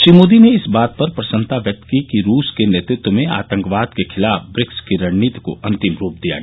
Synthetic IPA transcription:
ʃɾiːmoːd̪ineɪsbaːt̪̚pɐɾpɾɐsə̃nt̪aʋjɐk̚t̪kikiɾuːskeneːt̪ɾɪt̪wəmẽa̰ːt̪ə̃ŋkʋaːd̪kekʰɪlaːfbɾɪkskiɾɐɳniːt̪ko̰ʔɐ̃nt̪ɪmɾuːp̚d̪ija̰

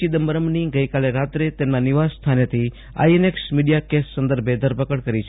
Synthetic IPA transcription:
id̪əmbəɾəmniɡəjkaleɾat̪ɾet̪emnaniʋasst̪ʰanet̪ʰi | a̰ieneksmiɽijakesːə̃nd̪əɾbʱed̪ʱəɾpəkəɽkəɾit͡ʃʰ

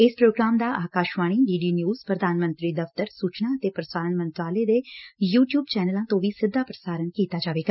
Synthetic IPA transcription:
ɪspɾoːɡɾaːmd̪aːʔaːkaːʃʋaːɽ̃iːɖiːɖiːnjuːz̥pɾəd̪ʱaːnmə̃nt̪ɾiːd̪əft̪əɾsuːt͡ʃnãːət̪eːpɾəsaːɾənmə̃nt̪ʋaːleːd̪eːjuːʈjuːbt͡ʃɛːnəlãːt̪õːʋiːsɪd̪ːaːpɾəsaːɾənkiːt̪aːd͡ʒaːʋeːɡaː

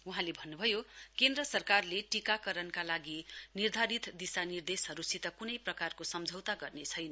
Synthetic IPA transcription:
uɦãlebʱʌnːubʱʌjokend̪rʌsʌrkarleʈikakʌɾʌnkalaɡinird̪ʱaɾit̪d̪isanird̪esɦʌɾusit̪ʌkunʌjprʌkarkosʌmd͡zʱʌwt̪aɡʌrnet͡sʰʌjnʌ

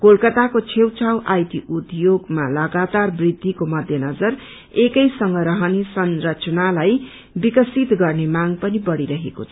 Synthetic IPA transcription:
kolkʌt̪akot͡sʰewt͡sʰawʔajt̪iʔut̪joɡmalʌɡat̪arbrid̪ʱːikomʌd̪ʱjʌnʌd͡zʌr | ekʌjsʌŋɡʌɾʌɦʌnesʌnrʌt͡sʌnalaj | bikʌsit̪ɡʌrnemaŋpʌnibʌɽiɾʌɦekot͡sʰʌ̥

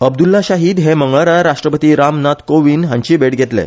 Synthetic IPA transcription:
əb̚d̪ulːaɕaɦiːd̪ɦeməŋɡɭaɾaɾaʂʈɾəpət̪iːɾamnat̪koʋiːnɦãɲt͡ɕiːbeɽɡʱet̪lɛ̰̃

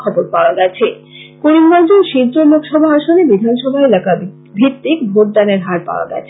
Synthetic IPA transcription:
kʰɔboɾpaoaɡɛt͡ɕʰe | koɾinɡɔnd͡ʑonʃid̪ɾolokʃɔbʱaaʃonebid̪ʱanʃɔbʱaelaka | bʱit̪ːikbʱoʈ̚d̪aneɾɦaɾpa̰oa̰ɡɛ̰t͡ɕʰ

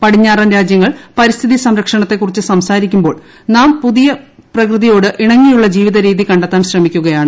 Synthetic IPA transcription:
pɐɽiɲːaːraːnɾaːd͡ʑjɐŋːɐɭpɐɾist̪ʰiðisɐmɾɐkʂɐɳɐt̪ːe̞kːurit͡ɕːɨsɐmsaːɾikʲːumbo̞ːɭ | naːmpuðijɐprɐkrɨðijo̞ːɽɨʔiɳɐŋːijuɭːɐd͡ʑiːʋiðɐɾiːðikɐɳɖɐt̪ːaːnɕrɐmikʲːuɣɐjaːɳɨ

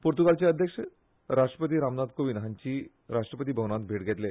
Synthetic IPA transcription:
poɾt̪ukalt͡ɕeəd̪ʱjəkʂə | ɾaʂʈɾəpət̪iːɾamnad̪koʋinɦaɲt͡ɕiː | ɾaʂʈɾəpət̪̬iːbʱəʋnat̪̚bʱeʈɡʱet̪le

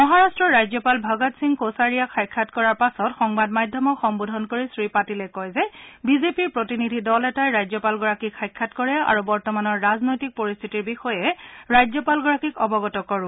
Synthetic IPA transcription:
mɔɦaɹastɹɔɹajzjɔpalbʱaɡɔtsiŋkosaɹijakʰajkʰːatkɔɹaɹpasɔtxɔŋbadmadʱjɔmɔkxɔŋbodʱɔnkoɹisɹipatilɛkɔjzɛbizepiɹpɹotinidʱidɔlɛtajɹajzjɔpalɡɔɹakikʰːajkʰːatkɔɹɛa̰ɹubɔɹtɔmanɔɹːaznojtik̚poɹist̪ʰitiɹbixɔjɛɹajzjɔpalɡɔɹakikɔbɔɡɔtɔkɔɹʊ̃

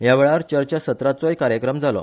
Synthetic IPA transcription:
jaʋeɭaɾt͡ɕəɾt͡ɕasət̪ɾat͡sɔjkaɾjəkɾəmd͡zʱalɔ̰

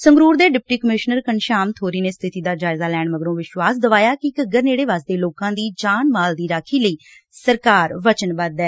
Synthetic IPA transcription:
səŋɡɾuːɾd̪eːɖɪp̚ʈiːkəmɪʃnəɾkənʃaːmt̪ʰoːɾiːneːst̪ʰɪt̪iːd̪aːd͡ʒaːɪzaːlɛːɳməɡəɾõːʋɪʃʋaːsd̪əʋaːjaːkɪkəɡəɾneːɽeːʋaːsd̪eːloːkãːd̪iːd͡ʒaːnmaːld̪iːɾaːkʰiːləiː | səɾkaːɾʋət͡ʃənbəd̪ɛː

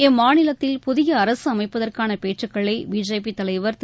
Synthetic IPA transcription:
ɛmːaːnɪlɐt̪ːɪlpʊðɪjɐɐɾɐsɯɐmɐɪpːɐðɐrkaːnɐpeːʈrɯkːɐɭɐɪbiːd͡ʒɐːpit̪ːɐlɐɪʋɐɾ

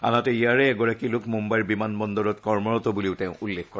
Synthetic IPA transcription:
a̰natɛijaɹɛːɡɔɹakilʊkmumbajɹbimanbɔndɔɹɔtkɔɹmɔɹɔtɔbuliʊtɛʊ̃ʔulːekkɔɹ

